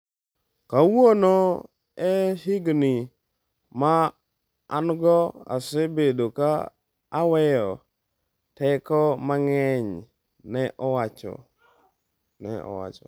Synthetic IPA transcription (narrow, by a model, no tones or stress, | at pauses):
kawono | ɛhɪɡnɪ | ma | a̰nɡɔa̰sebedokaː | wɛjɔ | tɛkɔmaŋɛɲ | nɛʔɔwat͡ʃɔ̰ | nɛ̰ɔ̰wa̰t͡ʃɔ